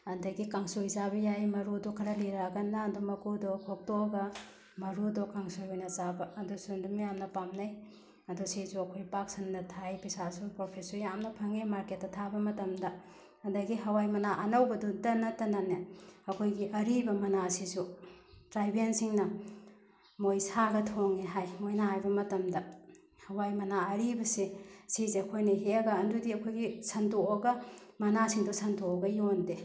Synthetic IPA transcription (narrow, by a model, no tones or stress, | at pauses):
ɐdɐɡikaŋsojzaβɐjajmɐɾudukʰɐɾɐliɾaɡɐnːadumɐkudɔkʰok̚toɡɐ | mɐɾudɔkaŋsojhojnɐzabɐɐdusundumijamnɐpamnɐj | ɐdusezuɐkʰojpak̚sɐnnɐtʰajpisasupɾopʰesujamnɐpʰɐŋimaɾket̚ːɐtʰabɐmɐtɐmdɐ | ɐndɐɡiɦɐwajmɐnaʔɐnɐwbɐdudɐnɐtɐnaneɐkʰojɡiʔɐɾibɐmɐnasisutɾajbensiŋnɐ | mojsaɡɐtʰoŋeɦajmojnaɦajbɐmɐtɐmdɐ | hɐwajmɐnaɐɾibɐsesizeɐkʰojnɐɦeɐɡɐːndudiɐkʰojɡisɐntoɐɡɐmɐnasiŋdusɐndoɡɐjonde